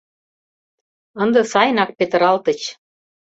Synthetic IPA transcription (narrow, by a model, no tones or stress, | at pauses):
ə̆nd̪ɤ̆sɑjnɑk̚pet̪ə̆ɾɑlt̪ə̆t͡ɕ